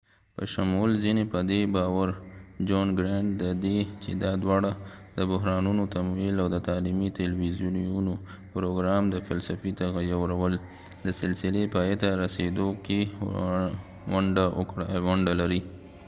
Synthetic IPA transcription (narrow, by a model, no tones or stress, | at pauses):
pə̰ʃamulzinepəd̪ebɑwaɾd͡ʒonɡɾeɳʈd̪əd̪et͡ʃed̪ɑd̪wɑɽa | d̪əbʊɦɾɑnunot̪amilawd̪ət̪ɑlimit̪ɪlwizjununo | pɾoɡɾɑmd̪əfalsafit̪aɣajawɾawəl | d̪əsɪlsɪlepɑjet̪aɾased̪oke | waɳɖa̰awʊɳɖalaɾi